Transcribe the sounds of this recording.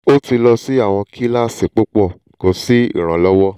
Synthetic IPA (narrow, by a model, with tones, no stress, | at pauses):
o˦ti˧lɔ˧si˦a˦˨w̃ɔ̃˧kʰi˦la˦si˨k͡po˦k͡pɔ˦˨ | ko˨˦si˦ḭ˦˨ɾ̃ã˨˦lɔ˦wɔ˦